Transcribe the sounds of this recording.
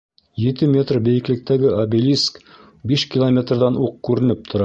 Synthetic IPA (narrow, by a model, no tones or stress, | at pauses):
jet̪ɘmʲe̞t̪rbejɘ̆klɘ̆k̚t̪æɡɘʔabelʲisk | beʃkʲilˠomʲe̞t̪rd̪ɑnuq̚kːʉɾɘ̆nɘp̚t̪ʰŏɾɑ